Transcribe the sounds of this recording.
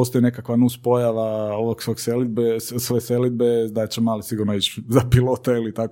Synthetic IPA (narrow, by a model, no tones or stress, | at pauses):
ost̪ojne̞kakʋanuspo̞jaʋaoʋoɡsoɡselid̪̚bessʋeselid̪̚bed̪at͡ʃemaːlisiɡuɾnoit͡ʃzapilˠot̪ailit̪ak